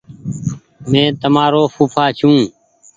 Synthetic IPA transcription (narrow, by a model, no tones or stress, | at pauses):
mẽːt̪əmaːɾoːfuːpʰaːt͡ʃʰũː